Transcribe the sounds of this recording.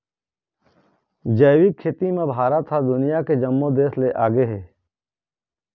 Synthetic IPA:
d͡ʒəːwikʰeːt̪imẽbʱaːɾat̪ʰːad̪ʊnɪjaked͡ʒəmːõd̪eːsleʔaːɡeɦeː

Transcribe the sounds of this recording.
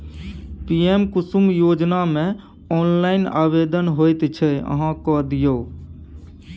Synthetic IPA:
pijemkʊsumjoːd͡ʒnamẽ | ɔːnlaɪna̰ːbed̪ənɦojt̪t͡ʃʰɛə̰ɦãkɔd̪ijo

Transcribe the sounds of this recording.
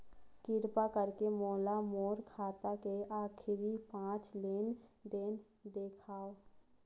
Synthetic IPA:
kɪɾpakəɾkemoːlamoːɾkʰaːt̪akeaːkʰɪɾipãːt͡ʃleːnd̪eːn | d̪eːkʰaːo

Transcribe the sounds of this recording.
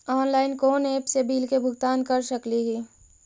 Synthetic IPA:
ɔːnlaːɪnkoːneːpsebʱiːlkebʱʊɡt̪aːnkɐɾʃəkliɦiː

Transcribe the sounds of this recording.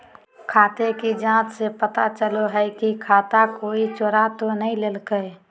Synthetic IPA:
kʰaːt̪ekid͡ʒãt͡ʃsepət̪at͡ʃəloɦəkikʰaːt̪akoit͡ʃoɾat̪onəileːlkəj

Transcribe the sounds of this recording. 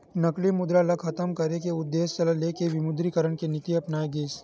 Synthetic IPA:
nɐklimʊd̪ɾalɐkxʰɐt̪əmkɐɾekeʊd̪ːeːst͡ʃɐləleːkeʋɪmʊd̪ɾikəɾəɽkenɪt̪iɐpnaːeɡeːs

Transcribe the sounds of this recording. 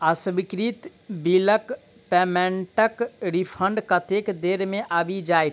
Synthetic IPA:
əsʋikɾit̪ | bilək | pɛmẽɳʈəkɾipʰə̃ɳɖkət̪ekd̪eɾmẽʔəbʱid͡ʒaj

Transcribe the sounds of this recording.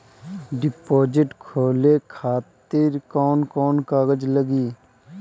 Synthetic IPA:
ɖɪpoːd͡ʒɪʈkʰoːlekʰaːt̪ɪɾkɔːnkɔːnkaːɡəd͡ʒləɡiː

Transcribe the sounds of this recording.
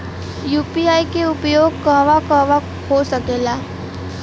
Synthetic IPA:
juːpiajkeupjoɡ̚kəɦʋakəʋa | hosəkela

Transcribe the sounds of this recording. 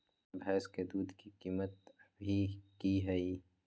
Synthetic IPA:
bɛːsked̪uːd̪ʱkikiːmət̪bʱikiɦɛi

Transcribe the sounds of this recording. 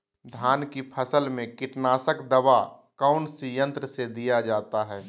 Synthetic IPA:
d̪ʱaːnkipʰəsəlmẽkɪʈnaːsəkd̪əʋakaʊnsijə̃nt̪ɾəsed̪ijad͡ʒaːt̪aɦɛː

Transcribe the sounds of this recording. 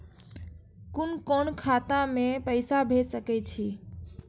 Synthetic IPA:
kunkonkʰat̪ãmepəɪsabʱesəkɛt͡ʃʰi

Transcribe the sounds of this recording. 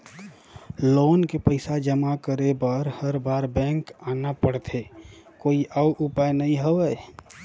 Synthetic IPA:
loːnkepəɪsad͡ʒəmakəɾebəɾhəɾbaːɾbɛ̃ːŋkaːnapəɽt̪ʰe | koːiʔaʊʔʊpaːjnɐɦĩɦoʋəj

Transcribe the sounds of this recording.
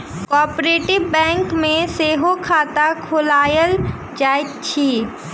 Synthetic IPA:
kɔːpɾeːʈɪʋbɛ̃ːŋkmẽseːɦokʰaːt̪akʰʊlaːjəl | d͡ʒaːɪkt͡ʃʰiː

